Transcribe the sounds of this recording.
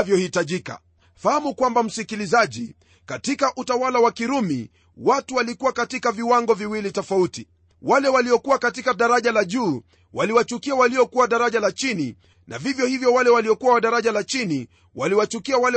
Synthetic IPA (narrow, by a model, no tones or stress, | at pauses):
vjɔhitaʄika̰ | fahamukwambam̩sikilizaʄi | katikaʔutawalawakiɾumḭ | watuwalikuwakatikaviwaŋɡɔviwilitɔfauti | walɛwaliɔkuwakatikaɗaɾaʄalaʄuː | waliwat͡ʃukiawaliɔkuwaɗaɾaʄalat͡ʃini | nʔa̰vivjɔhivjɔwalɛwaliɔkuwawaɗaɾaʄalat͡ʃini | waliwat͡ʃukiawalɛ